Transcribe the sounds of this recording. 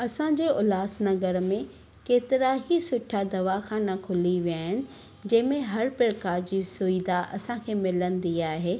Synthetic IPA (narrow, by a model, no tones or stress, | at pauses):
ɐsãɲd͡ʑeːʊlaːsnɐɡəɾmẽ | keːt̪ɪɾaɦisʊʈʰad̪ɐʋaxaːnakʰʊliʋijaːɦɪnɪ̆ | d͡ʑɐ̃ːɪ̃mẽɦɐɾpɪɾkaːɾd͡ʑiːsʊid̪aʔɐsãkʰeːmɪlənɪ̆d̪iaːɦeː